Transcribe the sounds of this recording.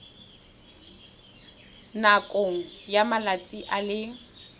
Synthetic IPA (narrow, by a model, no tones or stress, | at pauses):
nakʼoŋ̩jamalat͡sʼiʔalɪ